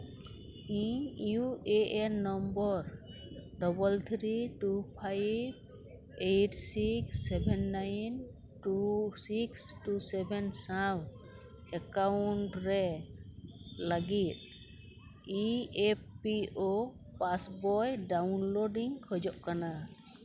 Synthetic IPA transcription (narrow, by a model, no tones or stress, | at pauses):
iɲjuʔeʔɛnnːɔmbɔɾɖɔbɔlt̪ʰɾiʈupʰajb̚ | ejʈsiksːɛbɛnːajn | ʈusiksʈusɛbɛnsaw | ɛkawɳʈɾɛ | laɡit̪̚ | ieppio | pasbɔjɖawnloɖiŋkʰɔd͡ʒɔʔkana